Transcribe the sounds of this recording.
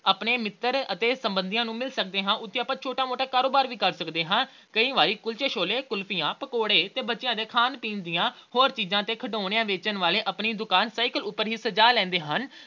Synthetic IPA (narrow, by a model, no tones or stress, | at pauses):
əːpɳeːmɪt̪ːəɾət̪eːsəmbənd̪ijãːnũːmɪlsəkd̪eːɦãːʔʊt̪ʰːeːaːpãːt͡ʃʰoːʈaːmoːʈaːkaːɾoːbaːɾʋiːkəɾsəkd̪eːɦãː | kəiːʋaːɾiːkʊlt͡ʃeːʃoːleːkʊlpʰijãːpəkoːɽeːt̪eːbətːʃɪjãːd̪eːkʰaːnpĩːnd̪ijãːhoːɾt͡ʃiːzãːt̪eːkʰəʈoːɳeãːʋeːt͡ʃənʋaːleːʔəpɳiːd̪ʊkaːnsaːɪkəlʊpːəɾɦiːsəd͡ʒaːlɛ̃ːnd̪eːɦən